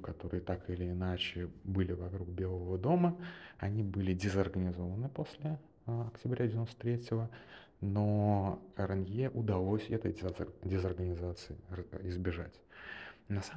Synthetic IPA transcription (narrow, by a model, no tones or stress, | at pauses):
kɐt̪o̞ɾɨjət̪akɨlʲɪːnat͡ɕɪbɨlʲɪvɐkɾuk̚bʲe̞lˠəvəd̪o̞məɐnʲibɨlʲɪdʲɪzərɡənʲɪzo̞vənɨpo̞sʲlʲɪ | ɐktʲɪbɾʲædʲɪvʲɪnost̪ət̪ɾʲetʲɪlˠə | no | rənjjeʔʊd̪ɐlˠo̞sʲɛt̪ə̰jdʲɪzɐrɡənʲɪzat̪sɨɪɪzbʲɪʐa̰tʲ | nɐsa